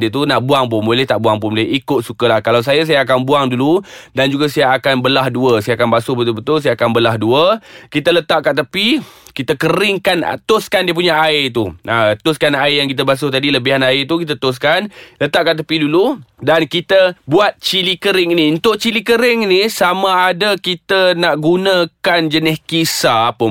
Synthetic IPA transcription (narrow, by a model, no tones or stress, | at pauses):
diət̪̬unaʔbuaŋp̬ʊnbolɛht̪aʔbuaŋpʊnbolɛʔikʊt̪̚sukəlahkalaws̬ajəs̬ajaːk̬anbuaŋduludand͡ʒuɡasajaakanbəlahduəsajakanbasʊbət̪ʊlbət̪ʊls̬ajaːkanbəlaɦduəkit̪ələt̪aʔkat̪əpikit̪əkəɾɪŋkana̰t̪ʊskandiəp̬uɲaʔaɪt̪uʔat̪ʊskanaɪjaŋkit̪̬əbas̬ut̪adiləbiɦanaɪt̪ukit̪ət̪ʊs̬kanlət̪aʔkaʔt̪əpiduludankit̪əbuat̪̚t͡ʃilikəɾɪŋiniunt̪ʊʔt͡ʃilikəɾɪŋinisamaːdakit̪ənaʔɡunə̃kand͡ʒənɪhkisapə